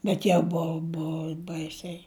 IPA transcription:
ˈbʲɛt jɛʊ ˈbʊʊ ˈbʊʊ ˈbɐɪsʲɛɪ

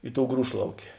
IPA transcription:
ˈɪ ˌtoːʊ ˈɡruːʃlˠɐʊkʲeː

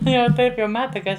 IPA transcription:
ˈtɐɪ jɛʊ ˈtɐɪp jɛʊ ˈmɑːtɐ kɐ ˈɐʃ

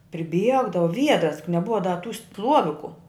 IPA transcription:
pʲrʲɪˈbʲiɛɡdɐʋʊ ˈʋʲiɛdrɐs jʊk nʲɛˈbʊʋɐ dɐ tuː ˈstlˠuɔʋʲɪkʊ

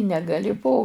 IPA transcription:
nʲɛɡɐˈlʲɪ poː

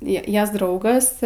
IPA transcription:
ˈjiɛ ˈjɛs ˈdrɐʊɡɐs

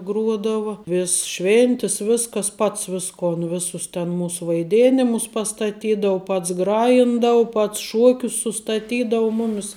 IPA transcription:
ˈɡruɔdɐʋɐ ˈʋʲɪs ˈʃʲʋʲeːnʲtʲɪs ˈʋʲɪskɐs ˈpɐts ˈʋʲɪskoːn ˈʋʲɪsʊs tʲɛn ˈmuːs ʋɐɪˈdʲeːnʲɪmʊs pɐstɐˈtʲiːdɐʊ ˈpɐts ˈɡrɑːjɪndɐʊ ˈpɐts ˈʃuɔkʲʊs sʊstɐˈtʲiːdɐʊ ˈmʊmʲɪs

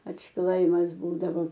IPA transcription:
ɐtʃˈklˠɐɪmɐs ˈbuːdɐʋoː

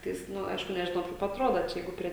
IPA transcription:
ˈtɐɪs ˈnʊ ˈɐɪʃkʊ nʲɛʒʲɪˈnɐʊ kɐɪp ɐtˈroːdɐ ˈt͡ʃʲɛ ˈjɛɪɡʊ pʲrʲiɛ

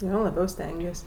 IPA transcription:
ˈjoː lˠɐˈbʲɛʊ ˈsʲtʲɛŋʲɡʲiɛsʲ

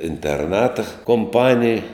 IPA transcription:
ɪnʲtʲɛrˈnɑːtɐ koːmˈpɑːnʲɪj

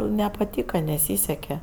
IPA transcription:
nʲɛpɐˈtʲiːkɐ nʲɛˈsʲiːsʲɛkʲɛ

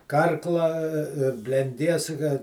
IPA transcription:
ˈkɐrklˠɐ bʲlʲɛnʲˈdʲiɛs kɐ

